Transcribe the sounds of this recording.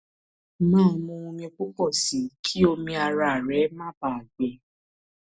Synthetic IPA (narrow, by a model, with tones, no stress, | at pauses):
mãː˦˨˦mõ˧ũ˧mĩ˧o˧k͡pu˦kɔ˦˨si˨˦kʰi˦o˧mĩ˧a˧ɾa˧˨ɾɛ˨˦mãː˦ba˦˨a˨ɡ͡bɛ˨˦